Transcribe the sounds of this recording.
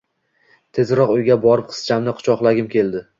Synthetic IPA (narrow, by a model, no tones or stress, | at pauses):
t̪ʰe̞zɾɒqʊjɡʲabɒɾɪp̚qʰɨ̥st͡ʃʰamnɪqʰʊ̥t͡ʃʰɒqlˠaɡʲɪmkʲe̞lˠd̪ɪ